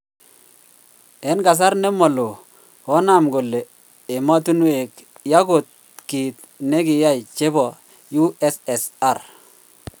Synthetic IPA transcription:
e˨˦nka˨s̬a˦ɾne˦mo˨lo˨ | hɔ˦na˦˨mɡo˨lːe˨ | e˨ma˦tu˦nwe˨k | ja˦ɡo˨t̪̚ | ki˨t̪̚ | ne˦kɪ˨ja˦jt͡ʃe˦bɔ˨ | ju˦ɛ˦sɛ˨sa˦˨ɾ

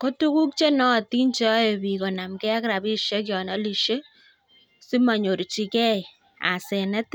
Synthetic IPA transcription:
ko˦tu˦ku˦k̚t͡ʃe˦nɔ˦˨ti˦nt͡ʃɔ˦je˨bi˨ko˨na˨mkɛ˦a˦kɾa˨bi˦ʃe˦k̬jɔ˨nɔ˦li˨ʃe˦ | si˦ma˨ɲo˨ɾt͡ʃi˨kɛ˦j | a̰˨sɛ˨nɛ˦t

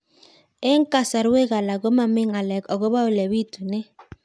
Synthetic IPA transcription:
e˦ŋ˦ka˦sa˨ɾwe˦ɣa˨la˨ɡo˦ma˨mɪ˦ŋa˨lɛ˨kɔ˨ɡo˦βa˦o˨lɛ˨βi˦tu˨nɛ˦

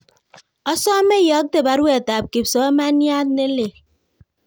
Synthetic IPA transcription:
ɔ˦sɔ˦me˦jʌ˦ɡ̚t̪e˦˨ba˨˦ɾu˦e˨t̪a˨p̚ki˨bsɔ˦ma˦ni˦a˦d̪̚ne˦le˨

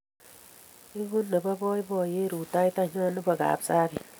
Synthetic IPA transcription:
i˦ɡu˦nːa˨ba˦bɔ˦i˦bɔ˨je˦ɾu˨ta˦i˦ta˦ɲɔ˦nɪ˦ba˨ɡa̰ː˨psa˦ki˨

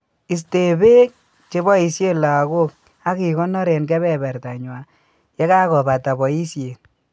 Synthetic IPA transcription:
i˨s̬te˨be˦k̚ | t͡ʃe˦bɔ˦i˨sje˦la˨ɣo˦k̚ | a˦ki˨kɔ˦nɔ˦ɾe˨nkɛ˦βɛ˦˨bɛ˨ɾta˨ɲwa˨ | jɛ˦ka˦kɔ˨ba˨ta˨bɔ˨i˦sje˨

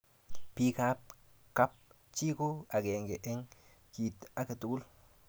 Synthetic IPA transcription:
pi˦ka˦p̚ | ka˦p̚ | t͡ʃi˦ko˦a˨ɡe˨ŋɡe˨ʔe˦ŋ | kiː˨t̪a˦ke˨tu˨ku˦l

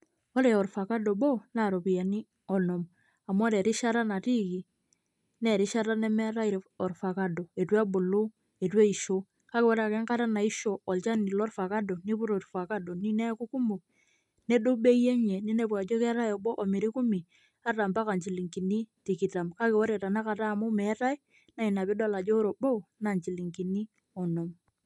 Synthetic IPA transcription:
o˦ɾe˨ɔ˨rfa˨ka˦dɔ˨bɔ˦na˨ɾo˨pi˨ja˨ni˦ | ɔ˨nɔ˨m | a˨m˦ɔ˦ɾɛ˨ɾi˦ʃa˦ɾa˦na˨ti˦ki˨ | nɛ˨ɾi˦ʃa˦ɾa˦nɛ˦mɛ˦ɾa˦i˨ɾɔ˨rfa˨ka˦do˨e˨twa˦bʊ˨lo˦ | e˨twe˦i˨ʃo˦ | ka˦ke˨wo˦ɾa˨kɛ˦ŋka˦ta˦na˨i˦ʃo˨ɔ˨lt͡ʃa˦ni˨lɔ˦rfa˨ka˦do˨ni˦pʊ˦ɾo˨ɾfa˨ka˦do˨ni˦nɛ˦ku˦ku˦mbu˨ | ne˦do˦be˦je˦ɲe˨ni˦ne˦˨p̬wa˨d͡ʒo˦kɛ˦ɾa˦jɔ˨bo˦ʔɔ˨mi˨ɾi˦ku˦mi˨ | a˦ta˨mba˦ka˨ɲt͡ʃi˨li˨ŋki˨ni˦ti˨ki˨ta˨mka˦ke˨wɔ˦ɾe˨ta˨na˦ka˨ta˦˨mʊ˦mɛ˨˦ta˦i˦ | na˨i˨na˨pe˦dɔ˦˨la˨d͡ʒo˦ɾo˨bo˦˨na˨ɲt͡ʃi˨li˨ŋki˨ni˦ | ɔ˨no˨m

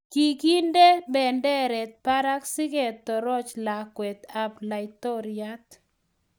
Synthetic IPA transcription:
ki˨ki˦nde˦bɛ˨ndɛ˦ɾɛ˨t̪̚pa˦ɾa˦ksɪ˦ɡe˨t̪ːɔ˨ɾɔ˦t͡ʃla˨kwɛ˨t̪a˨bla˨ɪt̪ɔ˦ɾɪa˦t̪

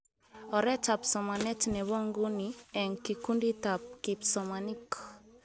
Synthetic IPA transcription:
ɔ˨ɾɛ˦ta˨psɔ˨ma˨nɛ˦tnɛ˨βɔ˦ŋɡu˦niɛ˨ŋki˨ku˦ndi˦ta˨p̚ki˨psɔmani˦k

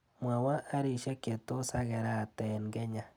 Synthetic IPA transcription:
mwa˨wa˦ʔːɾi˨ʃɛ˦ke˨to˦sa˦ɡɛ˨ɾa˦˨tɛ˨nɡɛ˦ɲa˨

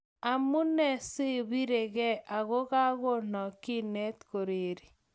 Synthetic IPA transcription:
a˨mu˦nɛ˦sɪ˦βi˦ɾe˨ɣɛ˦ʔa˨ɣo˦ɣa˦ɣo˦nɔ˨ki˦nɛ˦tko˨ɾe˨ɾi˨

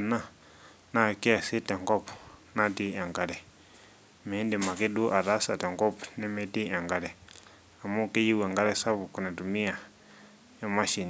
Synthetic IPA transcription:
na˦ | na˦˨kɛ˦a˨si˦tɛ˨ŋɡɔ˦pna˦ti˦a˨ŋɡa˨ɾɛ˨ | mɛ˨˦ndi˨ma˨kɛ˦ɗu˦ʔa˨ɾa˦sa˨tɛ˨ŋɡɔ˦pnɛ˦mɛ˦ti˦a˨ŋɡa˨ɾɛ˨ | a˨mu˦kɛ˦ji˦wɛ˨ŋɡa˦ɾɛ˦sa˦βu˨ku˨nɛ˨tu˨mi˦a˨ | ja˦ma˦ʃi˨n

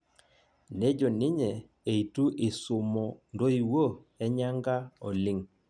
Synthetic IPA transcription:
ne˦d͡ʒo˨nɪ˦ɲɛ˨ | e˨i˨tu˦ʔɪ˨sʊ˨mɔ˨ndo˦i˨wo˦ | ɛ˦ɲa˦ŋɡa˦ɔ˨lɪ˦ŋ

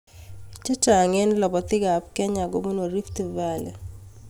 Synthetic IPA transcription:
t͡ʃe˦t͡ʃa˨ŋe˦nlɔ˨bɔ˨t̪ɪ˦ɡa˨p̚kɛ˦ɲa˨ɡo˦bo˦no˨ɾi˦ft̪i˨va˦˨lɛ˨

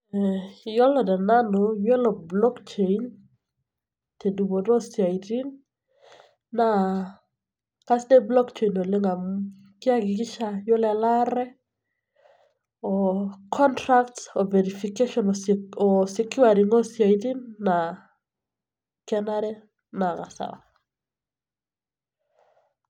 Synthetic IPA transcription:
jɔ˦lɔ˨dɛ˨na˦no˨jwɛ˦lɔ˨blɔ˦kt͡ʃe˨in | te˨du˨bo˨dɔ˦sja˨iti˦n | a˨ | ka˦sdɛ˦blɔ˦kt͡ʃe˨ino˨le˦ŋa˨m | kɪ˦a˦ɡɪ˨kɪ˦ʃa˦jɔ˦la˨la˦ɾɛ˦ | ɔ˨kʰɔ˦ntɾa˦ktɔ˨vɛ˨ɾi˨fike˦ʃɔ˨nɔɔ˨si˦kju˦a˨ɾi˨ŋɔ˦sja˨i˨ti˦nːa˨ | kɛ˦na˦ɾɛ˦ | na˨ka˨sa̰˨wa

